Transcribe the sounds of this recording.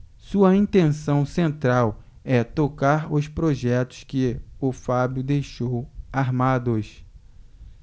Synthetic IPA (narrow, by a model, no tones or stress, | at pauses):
suɐĩnt̪ẽsɐ̃w̃sẽnt̪ɾaw | ɛt̪okaɾʊspɾoʒɛt̪ʊ̥skɪʊfabjʊd̪ejʃowaɾmad̪ʊs